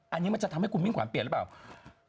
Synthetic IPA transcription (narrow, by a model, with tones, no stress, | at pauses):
ʔaː˨˩ɲɨ˧˦maː˨˩t͡ɕaː˧˩a˧˦mhkmi˧˦ŋkwa˧˨pi˧˩˨lɓaː˧˨˩w